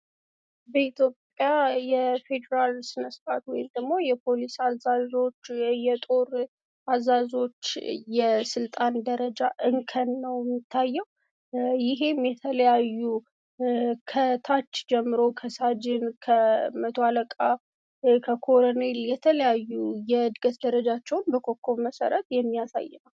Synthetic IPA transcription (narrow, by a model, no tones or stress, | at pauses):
bəit̪ʰjo̞pʼjajɛfe̞d̪əɾalsɨnəsfat̪wɔjɪmd̪əɡmo̞jɛpʰo̞lisazazo̞t͡ʃːjɛt̪ʼo̞ɾ | ʔazazo̞t͡ʃːjɛsɨlt̪ʼand̪əɾəd͡ʒaʔɨŋkʰənːəwɛmɪt̪ʰːajːɛw | jɪɦe̞mjɛt̪ʰələjajːu | kʰət̪ʰat͡ʃːd͡ʒɛmːɨɾo̞kʰəsad͡ʒɪnkʰəmət̪ʰoaləkʼa | kʰəkʰoɾone̞ljɛt̪ʰələjajːujɛɨd̪ɡət̪d̪əɾəd͡ʒat͡ʃːɛwnbəkʰo̞kʰːo̞βməsə̰ɾət̪jɛmːijasa̰jːɛnəw